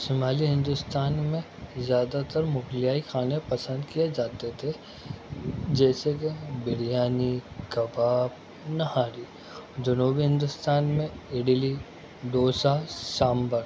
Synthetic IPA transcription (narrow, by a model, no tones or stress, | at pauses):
ʃɪmaːliɦɪ̃nd̪ʊst̪aːnmẽ | zjaːd̪at̪əɾmʊklijaːixʰaːnepɐsə̃nd̪kijed͡ʒaːt̪et̪ʰe | d͡ʒɛːsekebɪɽɪjaːnikɐbaːb | nɐhaːɾiː | d͡ʒʊnoːbiɦɪ̃nd̪ʊst̪aːnmẽɪɽli | d̪oːsasaːmbəɾ